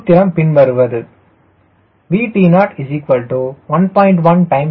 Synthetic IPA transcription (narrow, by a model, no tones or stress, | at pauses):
t̪ːɪɾɐmpɪnʋɐɾɯʋɐðɯ | ʋiːpiːnaːʈɪd͡ʒikʋɐlʈuʋɐnpɔːɪ̃ɳʈʋɐ̃nʈɐ̃ɪ̃m